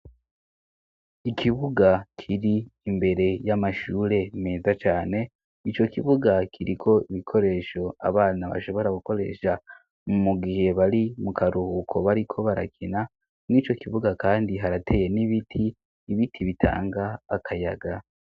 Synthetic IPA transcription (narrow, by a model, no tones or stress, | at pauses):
ikʰiβuɡakʰiɾiːmbe̞ɾe̞jamaʃuːɾe̞meːzat͡ʃaːne̞ | it͡ʃo̞kiβuɡakʰiɾikʰo̞iβikʰo̞ɾe̞ʃo̞a̰βaːnaβa̰ʃo̞βo̞ɾaɡuko̞ɾe̞̰ʃa | mumuɡihe̞βaɾimukʰaɾuhukʰo̞βaɾikʰo̞βaɾa̰kʰina | nit͡ʃo̞kiβuɡakaːndiɦaɾatʰe̞ːje̞niβitʰiː | βitʰiβitʰa̰ːŋɡaːkʰajaɡa